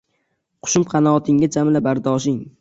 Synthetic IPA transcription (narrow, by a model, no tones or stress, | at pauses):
qʰʊ̥ʃʊmqʰɑnɒːt̪ʰɪŋad͡ʒamlabaɾd̪ɒːʃ̬ɪŋ